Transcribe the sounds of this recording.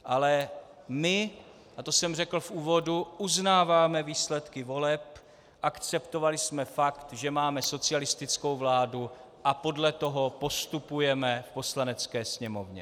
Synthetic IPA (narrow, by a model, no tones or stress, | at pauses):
ʔalɛ | mɪ | ʔat̪o̞sɛmrɛkl̩fʔuːvo̞duʔuznaːvaːmɛviːslɛt̪kɪvo̞lɛp | ʔakt͡sɛpt̪o̞valɪsmɛfakt̪ʒɛmaːmɛso̞t͡sɪalɪst̪ɪt͡sko̞wvlaːdu | ʔapo̞dlɛt̪o̞ɦo̞po̞st̪upujɛmɛfpo̞slanɛt͡skɛːsɲɛmo̞vɲɛ̰